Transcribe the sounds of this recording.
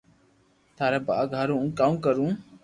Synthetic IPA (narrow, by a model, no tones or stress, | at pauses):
t̪ʰaːɾaba̰ːɡʱaɾũːkamkəɾũː